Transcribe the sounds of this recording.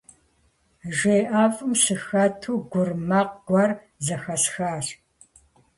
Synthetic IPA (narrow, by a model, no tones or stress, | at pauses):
ʒeːʔaːfʼɨmsɨxɐtʰuːɡʷʊrmɐːqɡ̥ʷɑr | zɐxɐsxaːɕ